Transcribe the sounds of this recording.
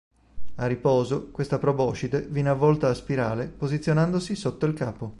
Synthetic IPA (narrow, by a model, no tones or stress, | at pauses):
arːipɔːzokwest̪apɾobɔːt͡ʃid̪evinavːɔlt̪aːspiɾaːɾepozit̪sːjonand̪osisot̪ːoilkaːpo